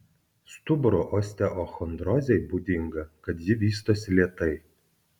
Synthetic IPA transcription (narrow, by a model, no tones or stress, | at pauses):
st̪ʊbɾoːʔɔːsʲt̪ʲɛʔoːxɔnd̪ɾɔzʲɛɪbuːd̪ʲɪŋɡɐkɐt̪jɪʋʲiːst̪oːsʲɪlʲiɛt̪ɐɪ